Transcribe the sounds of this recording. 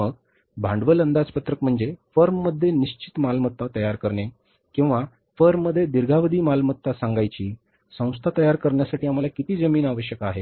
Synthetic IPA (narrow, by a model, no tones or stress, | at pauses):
əɡ | bʱãɳɖʋələnd̪ad͡zpət̪ɾəkm̤əɳd͡zefəɾmːəd̪ʱːjeniɕt͡ɕit̪malmət̪ːat̪əjaɾkəɾɳe | kĩw̃ʋa | fəɾmːəd̪ʱːjed̪iɾɡʱaʋəd̪ʱiːmalmət̪ːasãŋɡajt͡ɕiː | sə̃w̃st̪ʰat̪əjaɾkəɾɳjasaʈʰiːam̤alakit̪iːd͡zəmiːnaʋəɕjəkaɦe